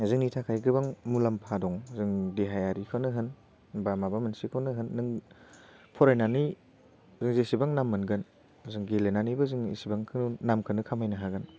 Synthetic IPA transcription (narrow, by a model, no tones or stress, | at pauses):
zɯŋnitʰakʰajɡɯbaŋmulampʰadɔŋzɯŋdiɦajaɾikʰanɯɦɯn | bamabamɯnsikʰawnɯɦɯnːɯŋ | pʰɔɾajnani | zɯŋzesibaŋnamːɯnɡɯn | zɯŋɡelenanibɯzɯŋḭsibaŋkʰɯnamkʰɯnɯkʰamajnaɦaɡɯn